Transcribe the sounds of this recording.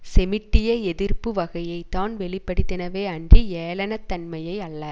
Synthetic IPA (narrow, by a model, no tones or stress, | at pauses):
sɛmɪʈːɪjɐɛðɪrpɯʋɐɣɐjɐɪt̪ːaːnʋɛɭɪpːɐɽɯt̪ːɪnɐʋeːɐndrieːlɐnɐt̪ːɐnmɐjɐɪɐɭːɐ